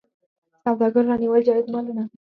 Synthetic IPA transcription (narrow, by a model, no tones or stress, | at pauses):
sawd̪ʱaɡʱəɾlaniʋəɭd͡ʑaet̪malna